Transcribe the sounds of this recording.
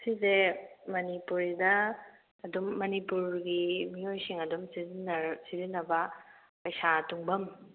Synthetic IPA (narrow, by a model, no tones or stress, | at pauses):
sizemɐnipuɾidɐː | dumːɐnipuɾɡimiojsiŋɐdumsizinsizinːɐbɐ | pɐjsatuŋbɐm